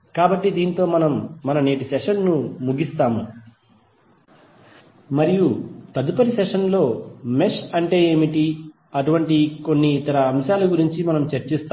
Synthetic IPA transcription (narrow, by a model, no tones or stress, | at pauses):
kaːbɐʈːid̪iːnit̪o̞ːmɐnɐmːɐnɐneːʈ̬isɛʂɐnːumuɡist̪aːmu | mɐɾijut̪ɐd̪upɐɾisɛʂɐnlo̞ːmeʂɐɳʈe̞ːeːmiʈi | ɐʈuʋɐɳʈiko̞nːiːt̪ɐɾɐːmʃaːluɡuɾiɲt͡ʃimɐnɐmt͡ʃɐɾt͡ʃist̪aː